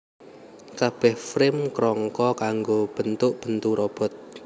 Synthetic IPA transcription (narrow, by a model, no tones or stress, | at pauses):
kab̥ɛhfɾɪmkɾɔŋkɔkaŋɡob̥ənt̪ʊʔb̥ənt̪uɾɔb̥ɔ̤t̪̚